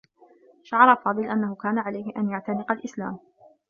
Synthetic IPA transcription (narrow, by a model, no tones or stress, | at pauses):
ʃaʕɑɾˤɑfɑːd̪ˤɨlʔanːahʊkaːnaʕalajhɪʔanjaʕt̪anɪqɑlʔɪslaːm